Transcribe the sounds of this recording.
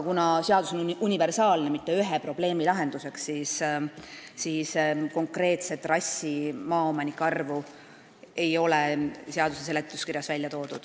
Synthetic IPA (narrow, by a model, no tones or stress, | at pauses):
kunɑseɑd̪uso̞nunʲive̞rsɑːlne̞mit̪ːeyɦepro̞b̥le̞ːmilɑɦe̞nd̪use̞ksːisː | isko̞ŋkre̞ːt̪se̞t̪ːˑrɑsʲːimɑːomɑnikːˑɑrvu | e̞jo̞leseɑd̪uses̬e̞le̞t̪ːˑuskirjɑsvælʲjɑt̪o̞ːd̪̥ud̪̥